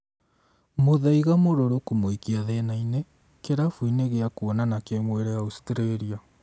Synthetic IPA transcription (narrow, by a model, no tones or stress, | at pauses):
moðaiɣamoɾoɾokomoikiaðɛnaine | keɾafwineɣeakuɔnanakemweɾɛaustɾeɾia